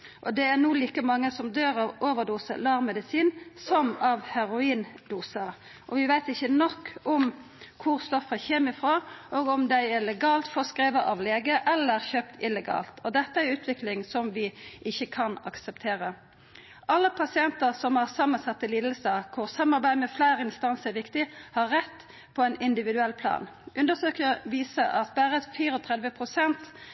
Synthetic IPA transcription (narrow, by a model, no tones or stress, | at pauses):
ʔɔd̪ɛæʁnuːliːkəmɑŋːəsɔmd̪øːɾɑʋoːʋəʁd̪uːsə̰lɑɾmːɛd̪ɪsiːnsɔmɑʋhæɾʊiːnd̪uːsə | ʔɔʋɪʋæɪt̪ɪçːənɔkːɔm | kʰʊʁst̪ɔfːəçeːmɪfɾoːʔoːɡɔmd̪æɪɛlɛɡɑːlt̪fɔʁskɾeːʋəʔɑʋleːɡəʔɛlːəʁçøːpt̪ʰɪlɛɡɑ̰ːlt̪ʰɔd̪ɛt̪ːəæɾʉːt̪ʋɪklɪŋsɔmʋɪʔɪçːəkʰɑnɑ̰ksəpt̪ʰeːʁə | ʔɑlːəpʰɑsɪɛnt̪əʁsɔmhɑʁsɑmːənsɑt̪ːəliːd̪l̩səkʰʊʁsɑmːɑʁbæɪmɛflæɪʁəɪnst̪ɑnsəɾʋɪkt̪ɪhɑɾːɛt̪ː | pʰɔɛɪnɪnd̪ɪʋɪd̪ʉɛlːpʰlɑ̰ːnʔʉnd̪əsøːkəʋiːsəʔɑt̪bæːʁəfiːɾɔt̪ʰʁɛd̪ʋəpʰʁʊsɛnt̪